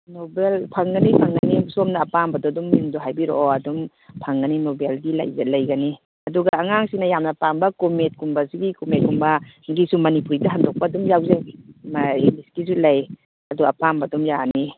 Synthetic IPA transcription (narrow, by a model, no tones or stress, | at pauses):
nɔbelpʰaŋɡɐnipʰaŋɡanisomnɐːpambɐdɔdɔmːiŋdoɦajbiɾo̰ʔɐdɔm | pʰaŋɡɐninɔbeldila̰jzalɐjɡɐni | ɐduɡaːŋaŋsinɐjamnɐpambɐkomet̚kumbɐsiɡikomet̚kumbɐɡisumɐnipuɾidɐɦandɔk̚pɐːdɔmjawzamaeniskisulaj | ɐdɔapambɐdɔmjane